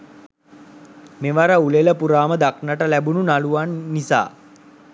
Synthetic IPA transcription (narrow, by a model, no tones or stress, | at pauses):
meʋaɾəuleləpuɾaːməd̪aknəʈəlæbununaluʋanːisa̰ː